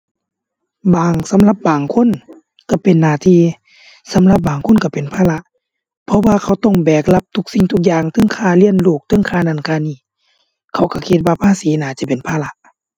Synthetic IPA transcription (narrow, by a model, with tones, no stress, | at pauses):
baː˨ŋsa˨˦mla˧˦p̚baː˨˩ŋkʰo˧˥˨n | ka˧˩pe˨nːaː˧˩t̪ʰiː˧ | sa˨˦mla˧p̬̚baː˨˩ŋkʰo˧˥˨nka˧˩pe˨npʰaː˧˨la˧ʔ | pʰɔ˧waː˧kʰa˧˩wt̪ɔ˧˩ŋbɛː˨˩k̚la˧p̚t̪ʰu˧˥k̚si˧˨ŋt̪ʰu˧k̚jaː˧ŋt̪ʰɯ˧˥˨ŋkʰaː˧˩li˧˥˨ənluː˧˩k̚t̪ʰɤ˧˥˨ŋkʰaː˧˩na˧˩˨nkʰaː˧˨niː˧˩ | kʰa˧˩wka˧˩kʰi˧t̪̚waː˧pʰaː˧˥˨siː˨˦naː˨˩˦t͡ɕa˧˦pe˨npʰaː˧˨la˧ʔ